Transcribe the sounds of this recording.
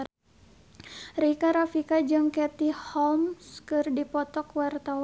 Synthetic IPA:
rikaɾafikad͡ʒɨŋkɛt̪ihɔlmskɨrdipɔt̪ɔkwart̪aw

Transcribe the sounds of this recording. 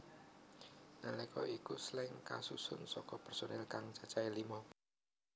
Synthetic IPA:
nalɛkɔ̰ʔikuslɪŋka̰susʊnsɔkɔpɛrsonɛlkaŋt͡ʃat͡ʃailimɔ

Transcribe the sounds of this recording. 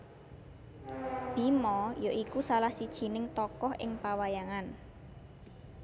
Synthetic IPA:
b̥i̤mɔjoʔikusalahsid̥ʒ̥i̤nɪŋt̪ɔkɔhʔɪ̰ŋpawajaŋan

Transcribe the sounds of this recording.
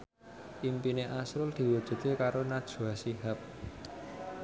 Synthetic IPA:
ʔimpineʔasɾʊld̪̥i̤wud̥ʒ̥ṳt̪ekaɾonad̥ʒ̥ṳasiɦap̚

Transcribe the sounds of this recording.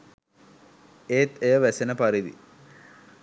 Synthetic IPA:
eːt̪ejəʋæsenəpaɾid̪ḭ

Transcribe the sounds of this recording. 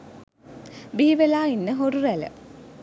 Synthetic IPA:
biːʋelaːinːəɦorurɛlə̰

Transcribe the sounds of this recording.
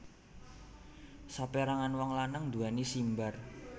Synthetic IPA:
sapeɾaŋanwɔŋlanəŋd̪ṳanisimbar

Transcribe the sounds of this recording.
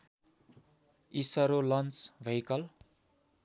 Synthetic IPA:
isʌɾolʌnt͡sbʱʌjkʌl

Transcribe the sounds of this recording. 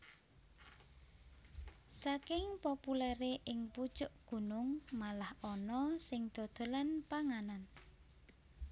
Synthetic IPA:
sakɪŋpɔpulɛɾeʔɪŋpud̥ʒ̥ʊʔɡ̥ṳnʊŋmalahɔnɔsɪŋd̪̥o̤d̪̥o̤lanpaŋanan

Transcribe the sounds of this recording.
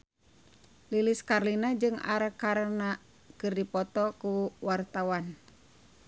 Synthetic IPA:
liliskarlinad͡ʒɨŋa̰ɾakaɾna | kɨrdipɔt̪ɔkuwart̪awan

